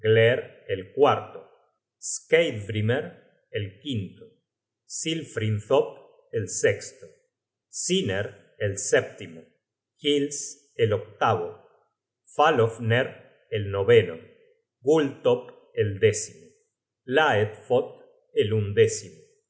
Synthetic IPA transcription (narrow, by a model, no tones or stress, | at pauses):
ɡleɾelkwaɾt̪o | skejt̪bɾimeɾ | elkint̪o | silfɾinθop | elsekst̪o | sineɾ | elsep̚t̪imo | xils | elok̚t̪aβo | falofneɾ | elnoβeno̰ | ɡult̪op | eld̪esimo | laet̪fot̪̚ | elund̪esimo